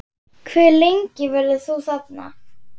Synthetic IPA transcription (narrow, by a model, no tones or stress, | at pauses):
kʰvɛɾlejŋcɪvɛɾðɪθuːsat̪na̰